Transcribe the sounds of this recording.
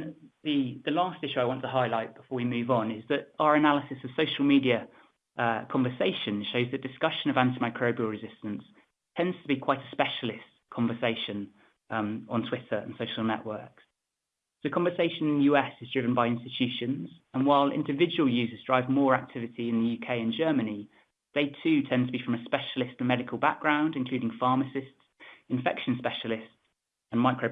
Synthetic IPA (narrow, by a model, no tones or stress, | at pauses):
ðiðəlɑˑstɪʃʉaɪwɒ̃ntʰəɦaɪlaɪʔ̚b̥ɪfɔːwimʉːvn̩ɪzðətəəɹənaləsɪsəv̥səʊʃəlˠmiːdiə | ʔəkʰɒ̃ɱvəseɪʃə̃nʃəʊzðəʔd̥ɪskʌʃə̃nəvãntimaɪkʰɹ̥əʊbiəlˠɹɪzɪstə̃ns | tʰɛ̃ndz̥tʰəbikʰw̥aɪtʰəspɛʃəlɪs | kʰɒ̃ɱvəseɪʃə̃n | ə̃ntʰw̥ɪtʰəɹə̰̃nsəʊʃəlˠnɛ̰ʔwɜˑks | səʊkʰɒ̃ɱvəseɪʃə̃nɪ̃nðjʉːɛsɪzdɹɪvə̃nbaɪɪ̃nstɪt͡ʃʰʉˑʃə̃nz̥ə̃nwaɪlɪ̰̃ndɪvɪd͡ʒəwəlˠjʉːzəzdɹaɪvmɔːɹak̚tʰɪvɪtʰiɪ̃nðəjʉːkʰeɪə̃nd͡ʒɜːməni | ðeɪtʰʉːtʰɛ̃ndtʰəbifɹə̃məspɛʃəlɪstəmɛɾɪkʰəlˠba̰k̚ɡ̥ɹãʊ̃ndɪ̃nkl̥ʉːɾɪ̃ŋfɑːˑməsɪstsɪ̃ɱfɛ̰kʃə̃nspɛʃəlɪsts | ə̃nmaɪkɹə